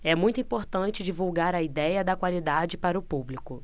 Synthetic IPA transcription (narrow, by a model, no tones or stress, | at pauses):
ɛmũj̃t̪ʊĩpoɾt̪ɐ̃nt͡ʃɪd͡ʒivuwɡaɾɐid̪ɛjɐd̪ɐkwalid̪ad͡ʒɪpaɾɐʊpublikʊ